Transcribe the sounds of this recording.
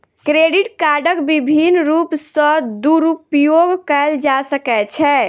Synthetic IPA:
kɾeɖiʈkaɾɖəkbibʱinɾupsə̃d̪uɾupjoɡkɛld͡ʒasəkɛt͡ʃʰɛ

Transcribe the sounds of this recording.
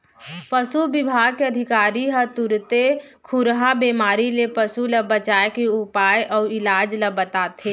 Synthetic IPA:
pəsubɪbʱaːɡ̚keɐd̪ʱɪkaːɾiɦət̪ʊɾt̪e | kʰʊɾɦabiːmaːɾilepɐsulɐbət͡ʃaːjkeupaːjɔːɾɪlaːd͡ʒləbət̪aːt̪eː

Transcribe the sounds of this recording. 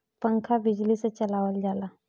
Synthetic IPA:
pəŋkʰabid͡ʑlisət͡ɕəlaʋəld͡zala

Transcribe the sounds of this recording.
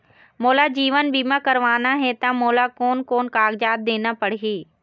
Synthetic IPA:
moːlad͡ʑiːʋənbiːmãkɐɾʋaːnaɦɛt̪amoːlakoːnkoːnkaːɡd͡ʒaːd̪̚d̪eːnapɐɽ̤ɦiː

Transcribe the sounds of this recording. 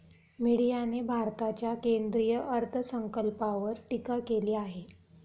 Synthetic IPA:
miɽijanebʱaɾt̪at͡ɕjakend̪ɾijəʔəɾt̪ʰəsəŋkəlpaʋəɾʈikakeliːaɦe

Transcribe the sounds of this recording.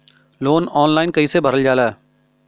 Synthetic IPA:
loːnɔːnlaːɪnkɐiːsebʱɐɾəld͡ʒaːla

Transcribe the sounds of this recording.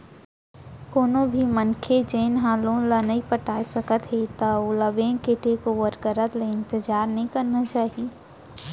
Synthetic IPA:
koːnõbʱimɐnkʰed͡ʒeːnɦaːlõlanɐɦipɐʈaːsɐkət̪ɦet̪aolɐʋẽːkeʈekoʋəɾkəɾət̪leɪ̃nt̪ɪd͡ʒaːɾnɐɦĩkɐɾnat͡ʃaːɦie

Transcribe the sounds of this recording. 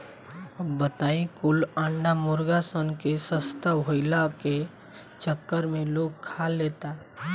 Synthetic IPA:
bət̪aːĩkʊlãːɳɖamʊɾɡasonkesəst̪aʋoɪlake | t͡ʃəkːəɾmẽloːɡkʰalːeːt̪a

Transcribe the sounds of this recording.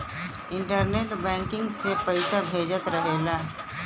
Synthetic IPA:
ɪ̃ɳʈəɾneːʈbɛ̃ːŋkɪ̃ŋɡsepɐɪsabʱeːd͡ʒət̪ɾəɦeːlaː

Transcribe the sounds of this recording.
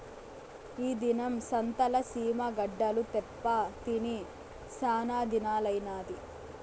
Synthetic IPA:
iːd̪inɐmsɐnt̪ɐlɐsiːmɐɡɐɖːɐlut̪ɛpːat̪ini | saːnaːd̪ʱinaːlɐjnaːd̪i

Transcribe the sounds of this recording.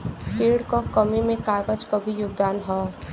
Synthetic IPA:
pʰiːɖkokəmimẽkaːɡəd͡ʒkobʱijʊɡ̚d̪aːnɦɔː

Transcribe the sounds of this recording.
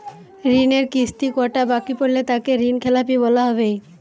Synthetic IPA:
ɾineɾkist̪ikɔʈabakipoɾlet̪akeɾinkʰɛlapibɔlaɦɔβej

